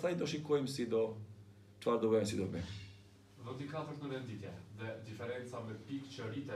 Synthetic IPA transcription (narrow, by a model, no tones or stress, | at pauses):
t̪ajd̪ɔʃikɔjmsid̪ɔ | t͡ʃfaɾd̪ɔvɛmɛsid̪ɔmɛ̰ | ðɔt̪ikaθəɾt̪nəvɛnd̪it̪jɛðɛd̪ifɛɾɛnt͡samɛpikt͡ʃəɾit̪ɛ